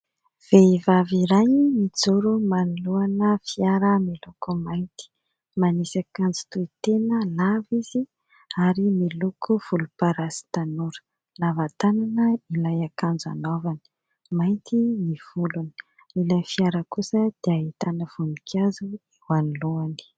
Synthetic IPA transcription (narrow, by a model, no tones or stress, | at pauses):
v̥eivaviɾajmid͡zuɾumanuluanəfiaɾəmilukumajnt̪i̥ | manisakand͡zi̥t̪uit̪enəlaviz̥i | aɾimilukʰuv̥ulupaɾasi̥t̪anuɾə̥ | lavat̪ananəilajakand͡za̰novani̥ | majnt̪iniv̥uluni̥ | ilajfiaɾəkusəd̪̥eaɦit̪anəv̥unikʰazuiwaniluani̥